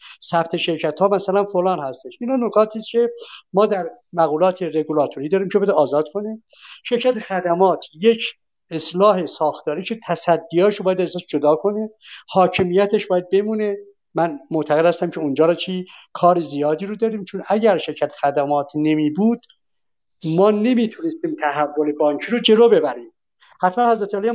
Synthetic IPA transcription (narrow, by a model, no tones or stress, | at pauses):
sæpt̪ʰe̞ʃe̞ɾcʰæt̪hɒːmæsælænfolɑːnhæst̪eʃiːnhɑːnokʰɒːt̪ʰiːscʰe̞mɒːd̪æɾ | mæɣuːlɒːt̪ʰeɾeɡulɒːt̪ʰoɾiːd̪ɒːɾiːmcʰeedɒːzɒːd̪̥kʰone | ʃe̞ɾcʰæt̪exæd̪æmɒːt̪ʰje̞cʰ | eslɒːɦe̞sɒːxt̪ʰɒːɾiːt͡ʃʰe̞t̪ʰæsæd̪ːijɒːʃobɒːjæd̪æsæʃd͡ʒod̪ɒːkʰo̞nehɒːcʰemijæt̪ʰeʃbɒːjæd̪̚be̞muːne | mænmoʔt̪ʰæɣed̪hæst̪æmcʰeund͡ʒɒːɾɒːt͡ʃʰiːkʰɒːɾizijɒːd̪iːɾod̪ɒːɾiːmt͡ʃʰonæɟæɾʃe̞ɾcʰæt̪ʰe̥xæd̪æmɒːt̪ʰne̞miːbuːd̪̥ | mɒːne̞mit̪ʰune̞st̪iːmt̪ʰæhævːole̞bɒːŋcʰiːɾod͡ʒe̞loːbe̞bæɾiːm | hæt̪mænhæzɾæt̪eælijɑ